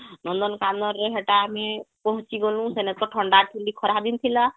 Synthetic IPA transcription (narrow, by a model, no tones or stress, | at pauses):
nɔnd̪ɔnkanɔɾːeɦeʈamepɔɦũt͡ʃiɡolũsenɛt̪̚kɔʈʰɔɳɖaʈʰilikʰɔɾad̪int̪ʰila